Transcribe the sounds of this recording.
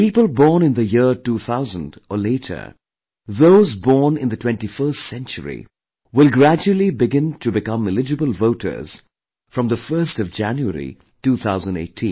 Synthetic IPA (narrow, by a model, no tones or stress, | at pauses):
piːpəlˠbɔːɹnɨ̃nðəjɪɹtuːθʰaʊzə̃ndʔəleɪɾʰə̰˞ | ðoʊzbɔɹnɪ̃nðətʰw̥ɛ̃ntifɜ˞stsɛ̃nt͡ʃə̰ɹḭ | wɪlˠɡɹæd͡ʒuəl̩ˠibɪɡɪ̃ntʰɨbɪkʌ̃mɪlɪd͡ʒɨbəlˠvoʊɾʰə̰˞z̥ | fɹʌ̃mðəfɜ˞stʌvd͡ʒæ̃njuə̰ɾɹḭ | tuθʰaʊzə̃n̩dḛɪtʰĩn